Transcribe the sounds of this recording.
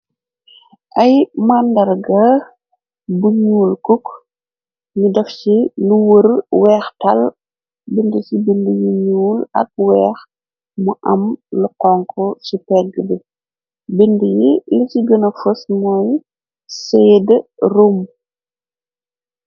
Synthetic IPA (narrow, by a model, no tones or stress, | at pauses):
ʔɐjmandɐrɡɐ | buɲuːlkuk | ɲudɐfciluwəɾwɛːxtɐl | bindəsibindəjiɲuːlɐ̰k̚wɛːx | muʔɐmluqɔŋkʰɔsupɛɡːəbə | bindəjilisiɡənɐfəsmɔj | sɛːdrum